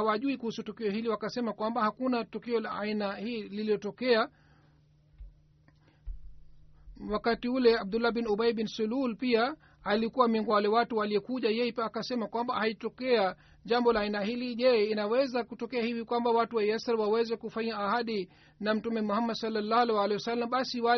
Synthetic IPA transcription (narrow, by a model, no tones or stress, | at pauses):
awaʄuikuhusutukiɔhiliwakasɛmakwambahakunatukiɔlaːinahiːliliɔtɔkɛa | wakatiulɛab̚dulːabinuɓaibinsululpiaː | likuwamɛŋɡɔwalɛwatuwaliɛkuʄajɛjɛpiaːkasɛmakwambahaitɔkɛa | ʄambɔlaːinahiliʄɛinawɛzakutɔkɛahivikwambawatuwajɛsaɾwawɛzɛkufaɲaːhaɗi | nam̩tumɛmuhamːadsalːalːalɛwalɛjwasalːamɓasiwa